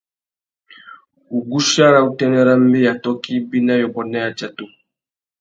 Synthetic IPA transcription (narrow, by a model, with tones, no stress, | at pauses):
u˨ɡu˦ʃa˦ɾa˦˨u˦tɛ˦nɛ˦ɾa˦m̩˦bi˦ja˨tɔ˦ki˦bi˦na˦jɔ˨bɔ˨nɛ˦ja˨t͡ʃa˨to˦